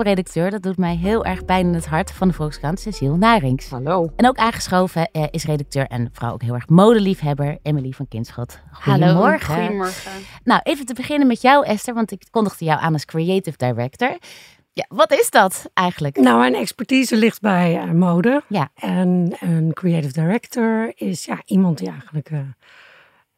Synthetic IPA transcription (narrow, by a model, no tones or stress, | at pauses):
redɑk̚tøːɹdɑdutmɛjɦɪːlˠʔɛɹχpɛjnanɦətɦɑɹtfɑndəvɔlˠkskɑntsɛsilˠnaːrɪŋsaloɛnowkaːnχə̥sχowvəʔɪsredɑk̚tøːɹʔɛ̰nfɔr̰wo̰wkɦɪlˠɛɹχmowdəlifɦɛbəɹɛməlifɑnkɪntsχɔtχujəomɔɹχəɔnawʔejvəntəbəχɪnənmɛtjʌwʔɛstəɹʋɑntɪkkːɔndəχdəjawʔa̰ːnɑlˠskriejtɪfdajɹɛktɔɹ | jaʋɑtɪzdɑtʔɛjχənləknawmɛjnɛkspɛɹtizəlɪχt̚bɛjmowdəjaɛnənkɹiejtɪvdajɹɛktəɹɪsja̰ʔimɑnt̚diɛjχələkə